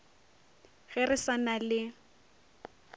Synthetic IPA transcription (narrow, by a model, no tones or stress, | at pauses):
ɣɛrɪsanalɪ